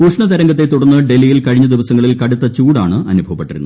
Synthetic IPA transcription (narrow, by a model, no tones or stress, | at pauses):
uʂɳɐt̪ɐɾɐŋɡɐt̪ːe̞t̪ːuɽɐnːɨɖe̞lːijilkɐɻiɲːɐd̪iʋɐsɐŋːɐɭilkɐɽut̪ːɐt͡ɕuːɽaːɳɨʔɐnubʱɐʋɐpːeʈːiɾunː